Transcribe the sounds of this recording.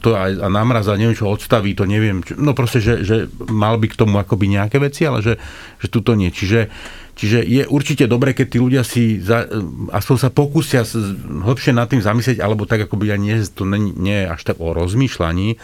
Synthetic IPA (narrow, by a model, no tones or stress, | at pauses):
t̪ɔajanaːmɾazaɲɛʋɛmt͡ʃɔɦɔt̪st̪aʋiːt̪ɔɲɛʋɪɛmt͡ʃnɔpɾɔscɛʒɛʒɛmalbikt̪ɔmuakɔbiɲɛakɛːʋɛt͡sialɛ̰ʒɛ | ʒ̥ɛt̪ut̪ɔɲɪɛt͡ʃiʒɛ | t͡ʃiʒɛjɛʔuɾt͡ʃicɛd̪ɔbɾɛːkɛc̚t̪iːluɟɪasizaa̰spɔɲsapɔkusɪasɦl̩pʃɪɛnat̪ːiːmzamislɛɟa̰lɛbɔt̪aɡakɔbiaɲɪɛst̪ɔɲɛɲɛjɛa̰ʃt̪aɡɔɾɔzmiːʃla̰ɲiː